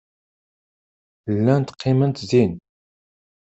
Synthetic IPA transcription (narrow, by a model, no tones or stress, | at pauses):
lːænt̪qʰːimənt̪zin